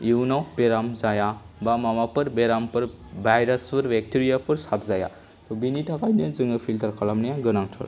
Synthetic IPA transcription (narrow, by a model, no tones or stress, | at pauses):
iwnawbeɾamzaja | bamamapɯɾbeɾampɯɾ | bajɾaspɯɾbek̚tiɾijapɯɾsapzaja̰ | t̪ɔbinitʰakajnazɯŋɯpʰilt̪ʰaɾkʰalamnijãɡɯnaŋtʰɔ̰ɾ